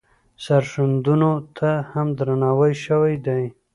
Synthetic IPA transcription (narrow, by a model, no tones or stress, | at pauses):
saɾʃand̪unot̪ʰahamd̪ɾanawajʃəwajd̪aj